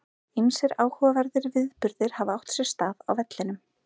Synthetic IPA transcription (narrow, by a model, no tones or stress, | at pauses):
emsɪɾaːwhɔvavaɾðɪɾvɪðpʏɾðɪɾ̥havaawht̪sjɛɾ̥st̪aːva̰wvɛt̪lɪnʏm